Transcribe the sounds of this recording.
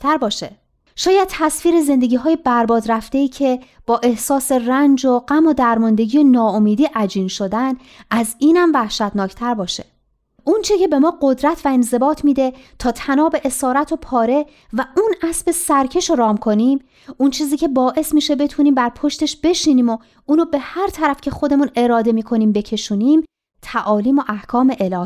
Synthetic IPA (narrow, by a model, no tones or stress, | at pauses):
t̪ʰæɾbɒːʃe | ʃɒːjæd̪̥̚t̪ʰæsfiːɾe̞ze̞nd̪e̞ɟʲiːɦɒːje̞bæɾbɒːd̪ɾæft̪e̞iːcʰe̞b̥ɒːʔe̞hsɒːse̞rænd͡ʒoɢæmod̪æɾmɒnd̪e̞ɟiːjenɒːomiːd̪iːʔæd͡ʒiːnʃo̞d̪æn | ʔæziːnæmvæhʃæt̪nɒːcʰt̪ʰæɾbɒːʃe̥̰ | ʔunt͡ʃʰece̞be̞mɒːɢo̞d̪ɾæt̪ʰvæe̞nze̞bɒːt̪ʰmiːd̪et̪ʰɒːt̪ʰænɒːbe̞ʔesɒːɾæt̪ʰopʰɒːɾe̞ | væʔunæsbe̞sæɾcʰe̞ʃoɾɒːmkʰo̞niːm | unt͡ʃʰiːziːcʰe̞bɒːʔe̞smiːʃebe̞t̪ʰuniːmbæɾpʰo̞ʃt̪e̞ʃb̥e̞ʃiːniːmo | uːnoːbe̞hæɾt̪ʰæɾæfcʰe̞xo̞d̪e̞mune̞ɾɒːd̪e̞miːkʰo̞niːmbe̞cʰe̞ʃuːniːm | t̪ʰæʔɒːliːmo̞ʔæhkʰɒːme̞ʔelɒː